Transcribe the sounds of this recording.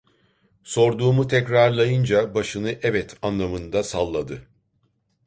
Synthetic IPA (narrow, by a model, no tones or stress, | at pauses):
so̞ɾd̪uːmut̪ʰɛcɾaɾlˠajɯnd͡ʒabaʃɯnɯʔɛvɛt̪ʰanlˠamɯnd̪asalˠːad̪ɯ